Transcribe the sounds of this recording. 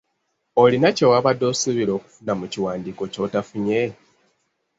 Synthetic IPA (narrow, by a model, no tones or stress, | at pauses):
olinacowaβadːo̞ːsiβiɾo̞ːku̥funamuciwaːndiːko̞co̞tafuɲe